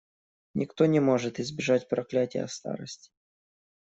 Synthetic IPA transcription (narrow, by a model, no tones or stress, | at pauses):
nʲʔɪkt̪o̞nʲɪmo̞ʐɨt̪ɪzbʲɪʐat̚ʲpɾɐklʲætʲɪjə̰st̪a̰ɾəsʲtʲɪ̥